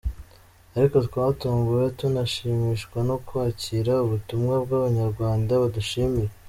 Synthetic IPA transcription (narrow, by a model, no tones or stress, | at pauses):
aɾiko̞twaːtuːŋɡuɾetunaʃiːmiʃkwano̞kwaciɾauβutumŋabɡaβaɲaɾɡwaːndaβaduʃiːmiɾe